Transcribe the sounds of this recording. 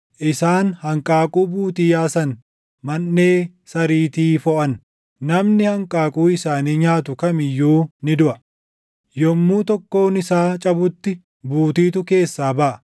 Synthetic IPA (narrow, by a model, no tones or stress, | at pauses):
ʔɪsaːnhɐŋkʼaːkʼuːbuːt̪iːjaːsɐn | mɐnːe̞ː | sɐɾiːt̪iːfɔʔɐn | nɐmnɪhɐŋkʼaːkʼuːɪsaːniːɲaːt̪ʊkɐmɪjːuːnɪd̪ʊʔɐ | jɔmːuːt̪ɔkːo̞ːnɪsaːt͡ʃʼɐbʊt̪ːɪ | buːt̪iːt̪ʊke̞ːsːaːbɐʔɐ